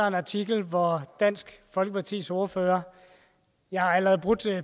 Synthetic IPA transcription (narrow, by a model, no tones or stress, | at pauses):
ɑe̝nɑ̈t͡sʰiɡ̥l̩ʋɒd̥æn̰sɡ̥fɒ̽lɡ̥əpʰɑ̈t͡sʰḭːsoɐføːɐ | jɑ̈hɑ̈ælʁɛð̩ˠb̥ʁud̥e